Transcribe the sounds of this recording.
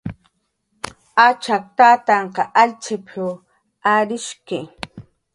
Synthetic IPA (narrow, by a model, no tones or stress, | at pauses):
at͡ʃak̚t̪aːt̪aɴqɑʔaʎt͡ʃʰɪpʰɪw | aɾɪʃkɪ